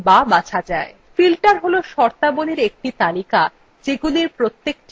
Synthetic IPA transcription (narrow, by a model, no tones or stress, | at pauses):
babat͡ɕʰad͡ʑae | filʈaɾɦoloʃɔɾt̪aboneɾek̚ʈit̪alika | d͡ʑeɡuliɾpɾot̪ːek̚ʈ